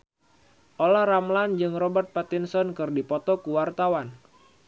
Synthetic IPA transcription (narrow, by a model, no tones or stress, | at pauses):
ʔolahramland͡ʒɨŋrɔbərt̪̚pat̪insɔnkɨrdipɔt̪ɔkuwart̪awan